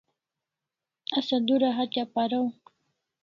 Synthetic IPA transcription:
asad̪uɾaɦat͡ʃapaɾaw

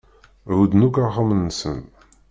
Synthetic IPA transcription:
ɾud̪nukaʁəmənːəsə̰n

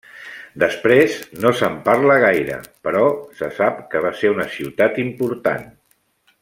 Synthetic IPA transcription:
d̪əspɾeznosəmpaɾləɣ̞ajɾə̰pəɾɔsəsapkəβ̞aseunəsiwt̪at̪impuɾt̪a̰n

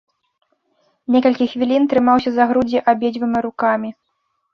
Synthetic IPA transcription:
nʲɛkɐlʲkʲixvʲilʲint̪ɾɨmawsʲɐzaɣɾud͡zʲiʔabʲed͡zʲvɨmʲiɾukamʲi

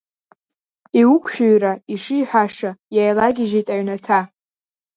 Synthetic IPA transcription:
iwukʷʰʼʃᶣuɥɾaiʂijħʷᶣaʂajajlaɡʲiʒetʼaɥnatʰa

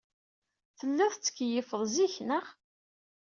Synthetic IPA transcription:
θəlːæθt͡sːə̥kːjəfəðˤziçnəχ

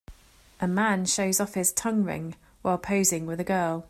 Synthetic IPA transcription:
ʔəmãnʃəʊzɒfɪz̥tʰʌ̃ŋɹɪ̰̃ŋ | waɪlˠpʰəʊzɪ̃ŋwɪðəɡɜːlˠ

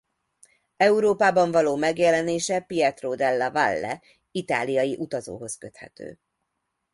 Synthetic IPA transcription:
ɛuɾoːpaːbɒɱvɒloːmɛɡjɛlɛneːʃɛpiɛt̪roːd̪ɛlːɒvalːɛ̰ | it̪a̰ːlijɒjiʔut̪ɒzo̰ːɦo̞skøt̪hɛ̰t̪ø̰ː

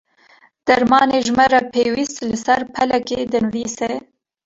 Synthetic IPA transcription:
d̪̥ɐɾmɑːneʒmɐɾapʰeːwist̪lɨsɛɾpʰɛlɛked̪ɨnviːsɛ

